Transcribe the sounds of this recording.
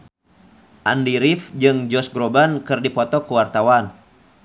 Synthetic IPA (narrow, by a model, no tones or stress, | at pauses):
ʔandiɾifd͡ʒɨŋd͡ʒɔsɡɾobankɨrdipɔt̪ɔkuwart̪awan